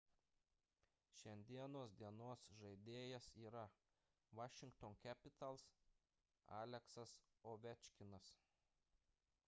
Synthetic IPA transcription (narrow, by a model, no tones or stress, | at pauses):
ʃʲɛnʲd̪ʲiɛnoːsd̪ʲiɛnoːsʒɐɪd̪ʲeːjɛsiːɾɐ | ʋɑːʃʲɪŋkt̪ɔnkʲæːpʲɪt̪ɐlˠs | a̰ːlʲɛksɐs | oːʋʲɛt͡ʃʲkʲɪnɐs